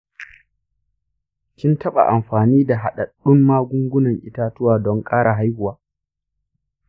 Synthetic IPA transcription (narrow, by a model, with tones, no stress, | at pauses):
kʲɪ˦ntʰɐ˦ɓa̰˨ʔa˨mɸaː˨niː˦da˨ɦa˨ɗa˨ɗʊ˦mːaː˦ɡʷʊ˦ŋɡʷʊ˦nɐ˨ŋʔɪ˦taː˦tʊ˦waː˨dɔ˦ŋkʼaː˦ɽa˨ɦa˦jhʊ˨waː˦